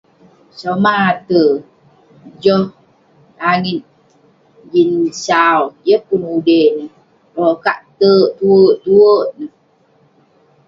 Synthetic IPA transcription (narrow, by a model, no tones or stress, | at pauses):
somat̪ə | d͡ʒɔh | aŋit̪̚ | d͡ʒinsawjəhpunudenə | ɾokaʔt̪əʔt̪uəʔt̪uəʔnəh